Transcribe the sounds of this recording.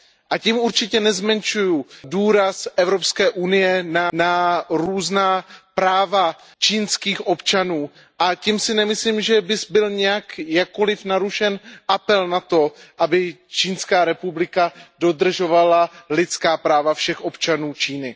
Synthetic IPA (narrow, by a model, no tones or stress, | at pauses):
ʔacimuɾt͡ʃɪcɛnɛzmɛnt͡ʃujuduːɾasʔɛvɾo̞pskɛːʔunɪjɛnanaɾuːznaːpɾaːva | t͡ʃiːnskiːxʔo̞pt͡ʃanuː | ʔacimsɪnɛmɪsliːmʒɛbɪsbɪlɲɛjakjakːolɪfnaɾuʃɛnʔapɛlnat̪o̞ʔabɪt͡ʃiːnskaːɾɛpublɪkado̞d̪r̩ʒo̞valalɪt̪t͡skaːpɾaːvafʃɛxʔo̞pt͡ʃanuːt͡ʃiːnɪ